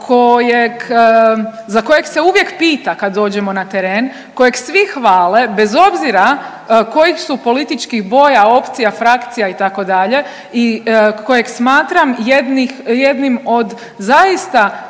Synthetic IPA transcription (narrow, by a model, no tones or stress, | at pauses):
kʰojek | zako̞je̞kse̞uʋje̞kpiːt̪akad̪ːo̞ːd͡ʒe̞mo̞nat̪eɾeːn | ko̞jeɡsʋixʋaːle̞be̞zo̞bziɾa | ko̞jixsupo̞lit̪it͡ʃkiɣbo̞jao̞pt̪sijafɾakt̪sijait̪ako̞d̪aʎe̞ | iko̞jeɡsmaːt̪ɾamjed̪nixje̞d̪nimo̞d̪ | zajist̪a